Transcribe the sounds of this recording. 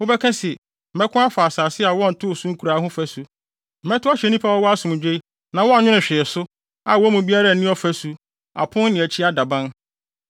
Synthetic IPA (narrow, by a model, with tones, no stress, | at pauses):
wʊ˦bɛ˦kʰɛ̃˦sɛ˨ | m̩˨mɛ˦kʰʊ̃˦a˦fa˨saː˨sɪ˦a˨wɔ̃˦n̩˨tʰʊ˦˨sũ˦ŋ̩˦kʰu˨ɾaː˨˦ɦʊ̃˦fæ˨su˨ | m̩˨mɛ˦tʊ˦a˦ɕɛ˨nĩ˦pʰa˦wɔ˦wɔ˦a˦sʊ̃˨m̃˨d͡ʑᶣe˦i˦ | nã˨wɔ˦a˦˨ɲᶣʊ̃˦nʊ̃˨ɕᶣɪ˨ɛ˨sʊ˦ | a˨wɔ˦mũ˨bi˦a˦ɾa˨nĩ˦ɔ˦fæ˦su˨ | a̰˨pʰʊ̃˦n˦nɪ̃˨æ˨t͡ɕʰi˦a˦da˨bã˦n